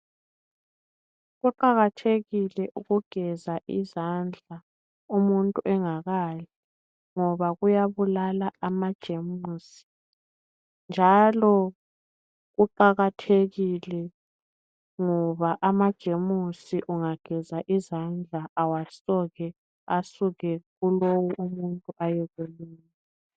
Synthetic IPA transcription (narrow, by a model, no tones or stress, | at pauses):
ɣuǃaɣatʰeɣilɛʔuɣuɡ̥ʱɛzaʔizand͡ɮʱa | umuntʼuʔɛŋaɣaːlɛ | ŋɔβaɣujaβulalaːmad̥ʒ̥ʱemusi̥ | nd͡ʒʱalɔ | ɣuǃaɣatʰeɣilɛ | ŋɔβaʔamad̥ʒ̥ʱemusiʔuŋaɡ̥ʱɛzaʔizand͡ɮʱaʔawasɔɣɛ | asuɣɛɣulowuʔumuntʼuʔajɛɣuliːnn | ɛ